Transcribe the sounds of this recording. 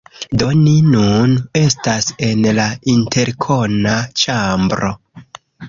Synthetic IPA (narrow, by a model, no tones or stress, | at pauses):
do̞ninune̞stase̞nlaintʰe̞ɾkʰo̞nat͡ʃambɾo̞̰